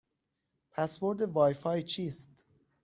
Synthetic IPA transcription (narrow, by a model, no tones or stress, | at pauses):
pʰæsvoɾd̪evɒːjfɒːjt͡ʃʰiːst̪